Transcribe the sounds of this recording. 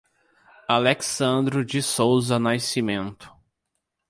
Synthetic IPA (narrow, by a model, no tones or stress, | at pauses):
aleksɐ̃nd̪ɾʊd͡ʒɪsowzɐnajsimẽnt̪ʊ̥